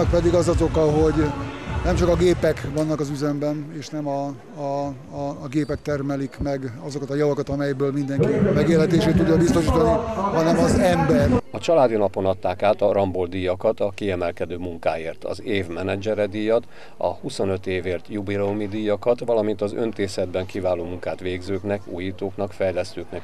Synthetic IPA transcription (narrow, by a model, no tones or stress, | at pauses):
k̚pɛd̪iɡɒzɒzo̞kɒɦo̞ɟnɛmt͡ʃɒkɒɡeːpɛkʋɒnːɒkɒzyzɛmbɛneːʃnɛmɒ | ɡeːpɛk̚t̪ɛrmɛlikmɛɡɒzo̞kɒt̪ɒjɒvɒkɒt̪ɒmɛjbøːlmind̪ɛŋkimɛɡeːlɦɛt̪eːʃeːt̪ːuɟːɒbist̪o̞ʃiːt̪ɒniɦɒnɛmɒzɛmbɛrɒt͡ʃɒlaːd̪inɒpo̞nɒt̪ːaːkaːt̪ɒɾɒmbold̪ijɒkɒt̪ɒkiɛmɛlkɛd̪øːmuŋkaːjeːrt̪ɒ̰zeːvmɛnɛd͡ʒɛɾɛd̪iːjɒt̪ | ɒ̰huso̞nø̞t̪eːveːrt̪jubilɛumid̪iːjɒkɒt̪ʋɒlɒmint̪ɒzø̰nt̪eːsɛd̪bɛŋkivaːloːmuŋkaːt̪ʋeːɡzøːknɛkṵːjiːt̪oːknɒkfɛjlɛst̪øːknɛk